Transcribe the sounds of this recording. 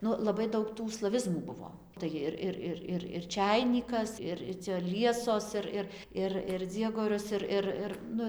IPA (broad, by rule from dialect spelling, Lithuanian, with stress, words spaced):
ˈnʊ lˠɐˈbɐɪ ˈdɐʊk tuː slˠɐˈʋʲɪzmuː ˈbʊʋoː ˈtɐɪ jɪr ˈɪr ˈɪr ˈɪr ɪr ˈt͡ʃʲæɪnʲiːkɐs ˈɪr ɪr t͡sʲɛ ˈlʲiɛsoːs ˈɪr ɪr ˈɪr ɪr ˈd͡zʲiɛɡoːrʲʊs ˈɪr ˈɪr ˈɪr ˈnʊ